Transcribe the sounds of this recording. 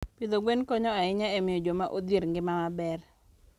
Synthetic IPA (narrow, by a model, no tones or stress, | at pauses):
pɪd̪oɡwenkɔɲɔaɪɲaemɪjod͡ʒomaʔod̪iɾŋɡɪmamabɛr